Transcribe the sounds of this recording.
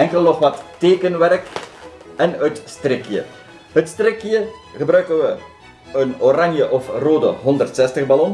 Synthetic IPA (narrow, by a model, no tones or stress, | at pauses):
ɛŋkəlˠnɔχʋɑtːeːkənʋɛrk | ɛnətstrɪkjə̰ | ɦətstrɪkjəχəbrœɥkənʋə | ənoranjəʔɔfroːdə̰ɦɔndərtsɛstəχbalɔn